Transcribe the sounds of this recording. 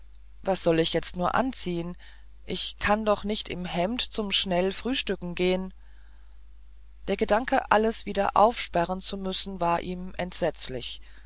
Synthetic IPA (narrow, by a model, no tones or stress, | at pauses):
vasz̥ɔlɪçjɛt͡stnuːɐʔa̰nt͡siːən | ʔɪçkʰandɔχnɪçtɪmhɛmtt͡sʊmʃnɛlfʁ̥yːʃtʏkŋ̩ɡeːən | d̥eːɐɡədaŋkəʔaləsv̥iːdɐʔa̰ʊfʃpɛʁənt͡sumʏsn̩vaːɐʔiːmʔɛntz̥ɛt͡slɪç